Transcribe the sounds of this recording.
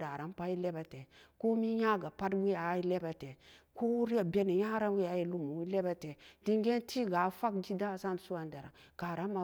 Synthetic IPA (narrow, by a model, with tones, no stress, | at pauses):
da˨ɾa˦mpa˦ji˦le˦ba˨te˨ko˦mi˦ja˦ɡa˨pa˦dwi˦ja˨˦i˦le˦ba˨te˨ko˦wu˦ɾi˦a˨be˦ne˨ja˦ɾa˦wi˦a˨˦ji˦lu˦mu˨wi˦le˦ba˨te˨di˦ŋɡe˦ntʰi˦ɡa˨˦fa˦kd͡ʒi˦da˦˨sa˦n˨su˦wa˨nda˨ɾa̰˨ | ka˨ɾa˦ma˨